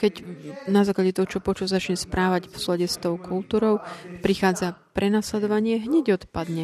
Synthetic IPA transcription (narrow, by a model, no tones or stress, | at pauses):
kɛcnazaːklaɟɛt̪ɔɦɔt͡ʃɔpɔt͡ʃuzat͡ʃɲɛspɾʔaːʋaɟfslɔɟɛst̪ɔʊkʰult̪uːɾɔʊpɾixaːd͡zapɾɛnaslɛd̪ɔʋaɲɪɛɦɲɛɟɔt̪pad̪ɲɛ